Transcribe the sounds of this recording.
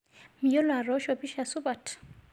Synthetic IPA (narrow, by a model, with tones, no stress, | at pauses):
mi˨jo˦la˨ɾɔ˦ʃɔ˨bi˦ʃa˨su˦ba˨t